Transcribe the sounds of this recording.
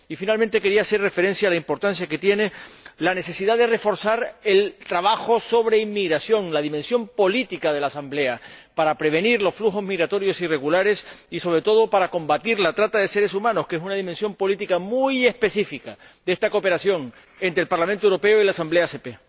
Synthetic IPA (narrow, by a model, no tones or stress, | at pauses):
ifinalment̪e̞ke̞ɾiaːse̞rre̞fe̞ɾẽ̞nsjaːlaimpo̞ɾt̪ansjaket̪je̞ne̞lane̞se̞siðaðe̞re̞fo̞ɾsaɾe̞lt̪ɾaβ̞axo̞so̞β̞ɾe̞imːiɣɾasjo̞ŋlaðimẽ̞nsjo̞mpo̞lit̪ikað̞e̞laːsamble̞apaɾapɾe̞β̞e̞niɾlo̞sfluxo̞zmiɣɾat̪o̞ɾjo̞sire̞ɣulaɾe̞siso̞β̞ɾe̞t̪o̞ð̞o̞paɾako̞mbat̪iɾlat̪ɾat̪aðe̞se̞ɾe̞sumãno̞ske̞s̬unað̞imensjo̞mpo̞lit̪ikamuje̞spe̞sifika | d̪ee̞st̪akope̞ɾasjo̞ŋ | e̞nt̪ɾelpaɾlamẽnt̪owɾo̞pe̞oilaːsamble̞ase̞pe̞